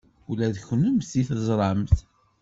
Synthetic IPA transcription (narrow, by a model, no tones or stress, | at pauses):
ulæðçənəmθiθəzˤɾˤɑmθ